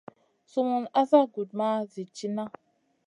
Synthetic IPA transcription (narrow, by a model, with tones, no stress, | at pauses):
su˦mu˨na˦za˦ɡu˨d̚ma˦zi˨t͡ʃi˦na˦